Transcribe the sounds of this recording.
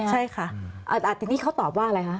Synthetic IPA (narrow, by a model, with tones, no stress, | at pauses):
t͡ɕʰa˥˩jkʰa˥˩ʔaː˧˩ʔaː˨˩t̪̚ːiː˧niː˥˩ka˦˥wt̪ɔː˨˩p̚waː˥˩ʔɾa˧jkʰa˦˥ʔ